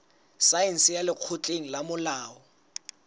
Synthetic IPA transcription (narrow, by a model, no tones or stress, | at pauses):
sajɛn̩sɪjalɪq͡χʰʊt͡ɬʼeŋ̩lamʊlaːɔ